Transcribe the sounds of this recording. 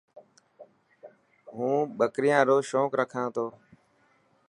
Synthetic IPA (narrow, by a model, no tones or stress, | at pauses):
ɦũːɓəkɾɪjãːɾoːʃoːkɾəkʰãːt̪ʰoː